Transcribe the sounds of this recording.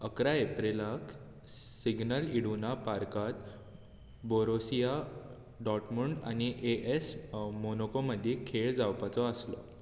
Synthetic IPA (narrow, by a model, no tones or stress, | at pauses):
əkɾaepɾelak | siɡnəliɽunapaɾkat̪ | boɾosija | ɖɔʈmuɳɖa̰ñiʔeʔesmonokoməd̪ʱːikʰeɭd͡zawpat͡sɔəslɔ̰